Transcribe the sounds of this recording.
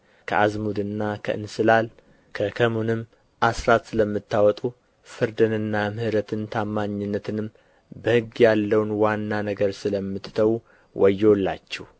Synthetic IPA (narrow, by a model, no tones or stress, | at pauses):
kʰəazmud̪ɨnːakʰəʔɨnsɨlal | kʰəkʰəmunɨmː | ʔasɾat̪sɨləmːɨt̪ːawɔt̪ʼu | fɨɾd̪ɨnɨnːamɨhɨɾət̪ʰɨnt̪ʰamːaɲːɪnːət̪ʰɨnɨm | bəhɨɡːjalːəwnwanːanəɡəɾsɨləmːɨt̪t̪ʰəwu | wʔɔjːwɔlːa̰t͡ʃːɛh